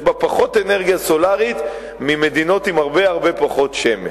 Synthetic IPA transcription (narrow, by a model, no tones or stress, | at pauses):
bapaχo̞t̪eneʁɡijaso̞laʁit̪ | mime̞d̪ino̞t̪imaʁbe̞aʁbe̞paχo̞t̪ʃeme